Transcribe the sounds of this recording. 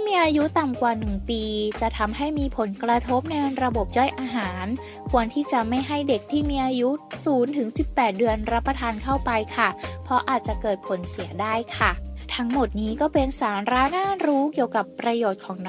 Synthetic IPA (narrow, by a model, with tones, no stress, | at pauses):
miː˧ʔaː˧ju˦˥t̪a˨˩mkwaː˨˩nɯ˨˩ŋpiː˧t͡ɕa˨˩t̪ʰa˧mɦa˥˩jmiː˧pʰo˩˦nkɾa˧t̪ʰo˦˥p̚na˧jɾa˧bo˨˩p̚jɔ˥˩jʔaː˧ɦaː˩˦n | kʰu˧ənt̪ʰiː˥˩t͡ɕa˨˩ma˥˩jɦa˥˩jde˨˩k̚t̪ʰiː˥˩miː˧ʔaː˧ju˦˥suː˩˦nt̪ʰɯ˩˦ŋsi˨˩pːɛː˨˩t̪̚dɯ˧ənɾa˦˥pːa˧t̪ʰaː˧nkʰa˥˩wpa˧jkʰa˥˩pʰɔ˦˥ʔaː˨˩t̪̚t͡ɕa˨˩kɤː˨˩t̪̚pʰo˩˦nsi˩˦ədaː˥˩jkʰa˥˩t̪ʰa˦˥ŋmo˨˩t̪̚niː˦˥kɔː˥˩pe˧nsaː˩˦nɾaː˦˥naː˥˩ɾuː˦˥ki˨˩əwka˨˩pːɾa˧joː˨˩t̪̚kʰɔː˩˦ŋ